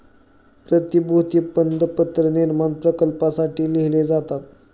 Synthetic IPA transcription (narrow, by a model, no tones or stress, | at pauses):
pɾət̪ibuɦt̪iːpənd̪əpət̪ɾəniɾmanpɾəkəlpasaʈiːliɦled͡zat̪at̪